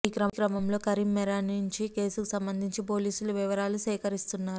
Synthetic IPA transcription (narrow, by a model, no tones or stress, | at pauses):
iːkɾɐkɾɐmɐmlo̞ːkɐɾimːɛɾanuɲt͡ʃike̞ːsukusɐmbɐnd̪ʱiɲt͡ʃipo̞ːliːsuluʋiʋɐɾaːlusɛːkɐɾist̪unːaːɾu